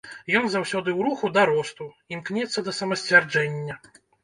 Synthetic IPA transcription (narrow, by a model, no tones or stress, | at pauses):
jɔnzawsʲɔd̪ɨwɾuxud̪ɐɾɔst̪u | imknʲɛt̪sːɐd̪ɐsɐmɐsʲt͡sʲvʲard͡ʐɛnʲːɐ